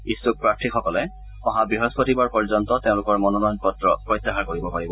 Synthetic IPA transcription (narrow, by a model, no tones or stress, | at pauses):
isuk̚pɹaktʰixɔkɔlɛ | ɔɦabɹiɦɔspotibaɹpɔɹzɔntɔteʊ̃lʊkɔɹmɔnɔnɔjnpɔtɹɔpɹɔjtːaxaɹkoɹibɔpaɹibɔ